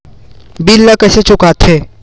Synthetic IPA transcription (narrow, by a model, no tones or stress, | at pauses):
bilːakɛːset͡ʃʊkaːt̪ʰeː